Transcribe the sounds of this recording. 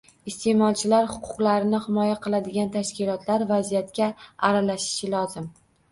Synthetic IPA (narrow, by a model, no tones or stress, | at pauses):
ɪst̪e̞mɒlˠt͡ʃʰɪlaɾhʊ̥qʰʊ̥qlˠaɾɪnɪhɪmɒjaqʰɨlˠad̪ɪɡʲant̪ʰaʃkʲɪlɒt̪laɾvazijat̪kʲaaɾalaʃɪ̥ʃɪlɒzɪm